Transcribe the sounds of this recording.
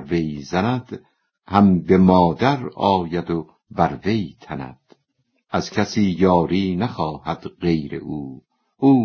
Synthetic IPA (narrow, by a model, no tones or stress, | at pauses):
vejzænæd̪̥ | hæmbemɒːd̪æɾɒːjæd̪o | bæɾvejt̪ʰænæ̰d̪̥ | ʔæz̥cʰæsiːjɒːɾiːnæχɒːhæd̪̥ɢe̞jɾḛʔuː | ʔuː